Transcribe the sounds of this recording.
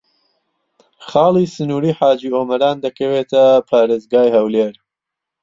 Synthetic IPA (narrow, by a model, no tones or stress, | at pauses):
χɑːlˠiːsɨnuːɾiːħaːd͡ʒiːoːmɐɾaːnd̪ɐkʰɐwet̪ʰɐpʰaːɾeːzɡaːjhɐwleːɾ